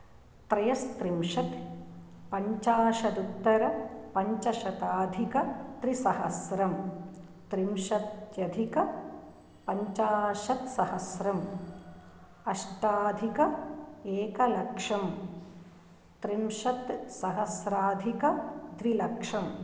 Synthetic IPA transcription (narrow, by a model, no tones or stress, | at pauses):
t̪ɾɐjɐst̪ɾimʂɐt̪ | pɐɲt͡ʃaːʃɐd̪ut̪ːɐɾɐpɐɲt͡ʃɐʃɐt̪aːd̪ʱikɐt̪ɾisɐhɐsɾɐm | t̪ɾimʃɐt̪jɐd̪ʱikɐ | pɐɲt͡ʃaːʃɐt̪sɐhɐsɾɐm | ɐʃʈaːd̪ʱikɐeːkɐlɐkʂɐm | t̪ɾimʃɐt̪sɐɦɐsɾaːd̪ʱikɐd̪ʋilɐkʂɐm